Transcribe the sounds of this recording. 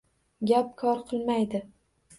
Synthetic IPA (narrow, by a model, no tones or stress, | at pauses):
ɡʲap̚kʰɒɾqʰɨlˠmajd̪ɪ